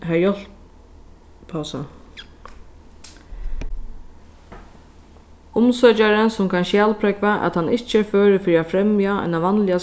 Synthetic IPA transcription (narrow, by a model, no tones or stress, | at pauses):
ɦæjɔlp | pʰasə̰ | ʊmsœt͡ʃaɾənsʊmkʰanʃjæːlpʰɾɛkvaʔæ̰t̪hanːɪht͡ʃəɛføːɾəfɪɾiafɾɛmjaa̰jnaʋanlɪa